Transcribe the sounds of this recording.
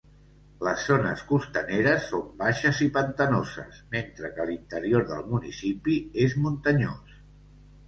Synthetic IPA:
ləszːonəskust̪əneɾəsːombaʃəzipənt̪ənozə̰sment̪ɾəkəlint̪əɾijoɾðə̰lˠmunḭsipiezmunt̪əɲo̰s

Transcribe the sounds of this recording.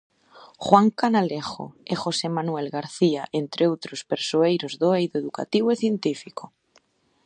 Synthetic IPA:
xwaŋkanalexo̰exosemanuɛlɣaɾθiaʔent̪ɾʔeowt̪ɾospeɾsoejɾozðoejðoeðuka̰t̪iβoeθjent̪ifiko

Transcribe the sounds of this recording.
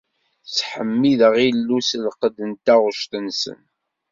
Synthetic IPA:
sħəmːiðəʁilːuslqəd̪ənt̪æʁʊʃt̪ənsə̰n

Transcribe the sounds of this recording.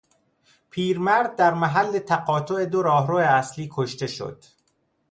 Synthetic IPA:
pʰiːɾmæɾd̪̚ːæɾmæɦælːe̞t̪ʰæɣɒːt̪ʰoe̞d̪oɾɒːɦɾoːeæsliːkʰoʃt̪e̞ʃo̞̰d̪̥

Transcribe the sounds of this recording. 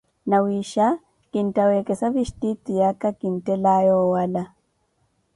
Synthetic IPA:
nawiʃa | kintawɛkɛsafiʃtit̪ːijakːakintɛlajɔwala

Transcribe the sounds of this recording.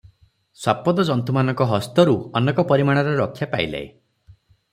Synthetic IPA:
swapɔd̪ɔd͡ʒɔnt̪umanɔŋkɔɦɔst̪ɔɾuɔnekɔpɔɾimaɽ̃ɔɾeɾɔkʰːjapailḛḛ

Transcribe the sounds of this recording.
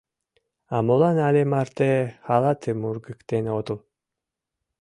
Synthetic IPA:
amulˠanalʲemaɾt̪ehalˠat̪ʰɨmuɾɡɨkt̪enot̪ulˠ

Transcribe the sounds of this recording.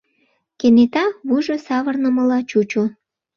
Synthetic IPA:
kenet̪ɑβuʒosɑβərnə̆məlɑt͡ɕut͡ɕu

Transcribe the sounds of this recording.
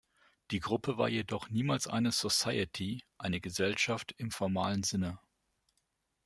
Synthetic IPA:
d̥iːɡʁʊpʰəva̰ːɐjedɔχniːmaːlsʔa̰ɪnəzosaɪətʰiʔaɪnəɡəzɛlʃaftɪmfɔɐmaːlənzɪnə

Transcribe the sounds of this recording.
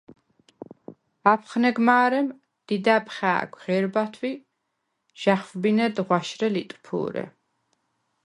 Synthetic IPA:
apʰχnɛɡmaːɾɛm | d̪̥id̪apχa̰ːɡʷʁɛɾbat̪ʰwi | ʒ̥aχfbinɛd̪ʁwaʃɾɛlit̪ʼpʰṵːɾɛ̰

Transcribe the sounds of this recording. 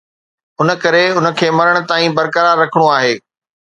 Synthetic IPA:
ʊnə̆kɐɾeʊnə̆kʰeːmɐɾəɽ̃ʊ̆t̪aːĩbɐɾkəɾaːɾːɐkʰəɽ̃uaːɦeː

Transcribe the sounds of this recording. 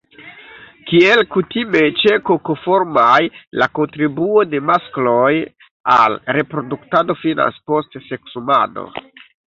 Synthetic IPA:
kielkutime̞t͡ʃe̞koko̞fo̞ɾmajlako̞ntɾibuo̞de̞masklo̞j | a̰lɾe̞pɾo̞duktado̞fina̰nspo̞stse̞ksuma̰no̰

